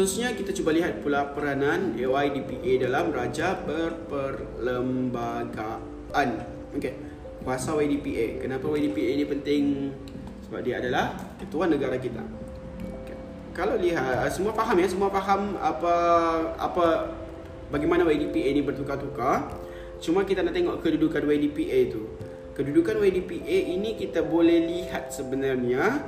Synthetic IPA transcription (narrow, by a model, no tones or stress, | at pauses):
hususɲakit̪at͡ʃubaliɦat̪̚pulapəɾananeajdipiʔedalamrad͡ʒapərpərləmbaɡa | an | oke | kuasawadipiʔḛkənapawadipienipənt̪ɪŋ | səba̰p̚diaːdalahkət̪uanːəɡaɾakit̪a̰ | oke | kalawliɦat̪əsəmuafaɦamjasəmuafaɦama̰paa̰pa | baɡimanawadipienibərt̪ukat̪uka | t͡ʃumakit̪anaʔt̪eŋɔʔkədudukanwadipiʔet̪u | kədudukanwadipiʔeinikit̪abolɛhliɦat̪̚səbənarɲa